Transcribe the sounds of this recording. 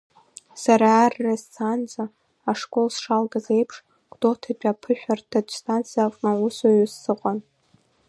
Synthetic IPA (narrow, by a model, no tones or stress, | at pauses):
saɾaːrːast͡sʰand͡zʼa | aʂkʼo̞lsʂalɡazejpʰʂ | kʷʼdotʰat͡ʃʲʷʼapʰɨʃᶣartʰat͡ʃʷʼstʰʼant͡sʰijafʼnausaɥusːɨqʷʼan